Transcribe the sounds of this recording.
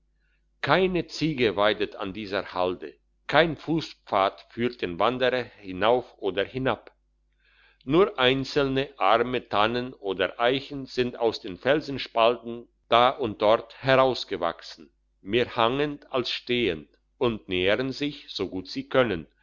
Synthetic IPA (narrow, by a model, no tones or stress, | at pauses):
kʰaɪnət͡siːɡəvaɪdətʰa̰ndiːzəhaldə̰ | kʰaɪnfuːsp͡faːtfyːɐt̚d̥eːnvandəʁɐhɪnaʊfʔoːdɐhɪnap | nuːɐʔaɪnt͡sl̩nəʔaʁmətʰanənʔoːdɐʔaɪçn̩z̥ɪnta̰ʊsd̥eːnfɛlzn̩ʃpaltn̩ | d̥aːʔʊnt̚d̥ɔʁthɛʁaʊsɡ̥əva̰ksn̩ | meːɐhaŋəntalsʃteːənt | ʔʊntneːəʁənzɪçz̥oɡuːtz̥iːkʰœnən